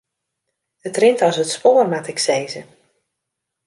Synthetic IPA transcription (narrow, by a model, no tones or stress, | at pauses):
ətrɪntɔsətspoːrmatɪksejzə